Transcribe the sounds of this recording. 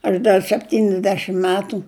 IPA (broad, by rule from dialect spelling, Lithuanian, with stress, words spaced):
ɐʃ ˈdɐr sʲɛpʲˈtʲiːnʲɪzʲdʲɛʃʲɪm ˈmʲæːtʊ